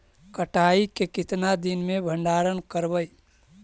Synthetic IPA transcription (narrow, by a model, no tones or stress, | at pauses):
kəʈʰaːikekɪt̪nad̪ɪnmẽbʱə̃ɳɖaːɾənkəɾbəj